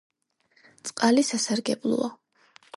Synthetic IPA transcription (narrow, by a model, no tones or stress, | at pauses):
t̪sʼqʼalisasaɾɡɛblˠṵɔ̰